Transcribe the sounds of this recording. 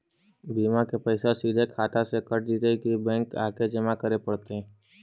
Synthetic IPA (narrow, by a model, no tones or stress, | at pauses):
biːmakepəɪsasiːd̪ʱekʰaːt̪asekəʈ̚d͡ʒiːt̪ekibɛ̃ːŋka̰ːked͡ʒəmakəɾepəɽt̪eɦɛ̃